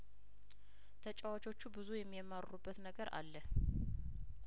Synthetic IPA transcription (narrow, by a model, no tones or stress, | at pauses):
t̪ʰət͡ʃʼawat͡ʃo̞t͡ʃːubɨzujɛmːiəmːaɾɾubːət̪nəɡəɾa̰lːə